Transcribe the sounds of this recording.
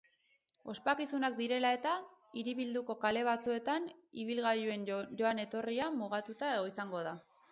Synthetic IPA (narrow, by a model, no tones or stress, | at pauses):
o̞spakisunak̚d̪iɾe̞lae̞t̪a | iɾiβild̪uko̞kale̞β̞at͡sue̞t̪aniβ̞ilɣajue̞njo̞ane̞t̪o̞riamuɣat̪ut̪aeɣo̞isaŋɡo̞ða